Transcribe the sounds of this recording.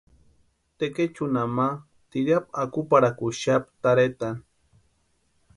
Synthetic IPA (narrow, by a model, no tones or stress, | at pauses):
t̪eket͡ʃunama | t̪iɾapakupaɾakuʃapt̪aɾet̪an